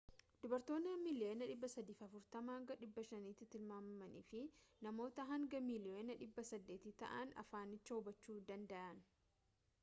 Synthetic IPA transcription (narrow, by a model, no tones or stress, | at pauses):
d̪̥ʊbɐɾt̪o̞ːnɐmɪlɪʔeːnɐᶑɪbːɐsɐd̪iːfɐfʊɾt̪ɐmaːŋɡɐᶑɪbːɐʃɐniːt̪ːɪt̪ɪlmaːmɐmɐnḭːfɪnɐmo̞ːt̪ɐɦɐŋɡɐmɪlɪenɐᶑɪbːɐsɐd̪ːeːt̪ɪt̪ɐ̰ʔɐnɐ̰faːnɪt͡ʃːɐʊbɐt͡ʃːuːd̪ɐnd̪ɐʔɐn